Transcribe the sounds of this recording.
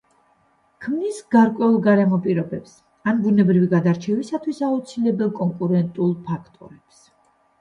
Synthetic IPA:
kʰmnisɡaɾkʼwɛulˠɡaɾɛmɔpʼiɾɔbɛps | anbunɛbɾiviɡad̪aɾt͡ʃʰɛvisat̪ʰwisaut̪sʰilɛbɛlˠkʼɔŋkʼuɾɛnt̪ʼulˠpʰakʰt̪ʼɔ̰ɾɛps

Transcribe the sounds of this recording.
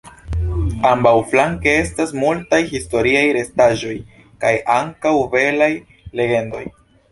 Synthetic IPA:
ambawflaŋke̞e̞stasmultajhisto̞ɾiajɾe̞staʒo̞j | kajʔaŋkawve̞laj | le̞ɡe̞ndo̞j

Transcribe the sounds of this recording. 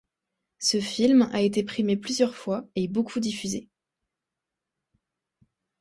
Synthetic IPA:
səfilmaet̪epχimeplyzjœʁfwaebokʰud̪ifyze

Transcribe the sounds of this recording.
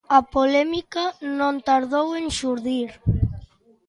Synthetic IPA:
apolɛmikanõnt̪aɾðoweŋʃuɾðiɾ

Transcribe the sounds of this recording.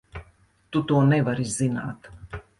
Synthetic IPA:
t̪ut̪uɔnɛvaɾizzina̰ːt̪

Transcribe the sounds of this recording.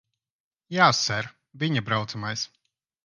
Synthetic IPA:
jaːsːɛɾ | vʲiɲabɾawt̪samajs

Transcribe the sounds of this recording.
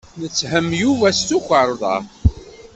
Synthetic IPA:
nət͡sːhəmjuvæst̪ukʷəɾˤðˤɑ̰

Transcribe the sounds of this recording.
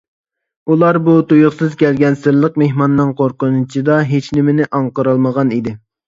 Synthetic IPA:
ulˠɑɾbut̪ujʊχsɨzkʲɛlɡʲɛnsɪɾlˠəqmeɦmɑnːɨŋqʰoɾqʊnɨt͡ʃʰid̪ɑɦet͡ʃnɪmɪnɪʔɑŋqəɾɑlˠməʁɑnid̪ɪ

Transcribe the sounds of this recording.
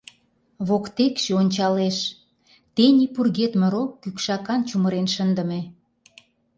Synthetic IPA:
βokt̪ekʃeonʲt͡ɕɑleʃ | t̪enipurɣet̪mə̆ɾokːykʃɑkɑnt͡ɕuməɾenʃənd̪ə̆me

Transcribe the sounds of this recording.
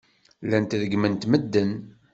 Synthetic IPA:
lænt̪ðəɡmənt̪məd̪ːən

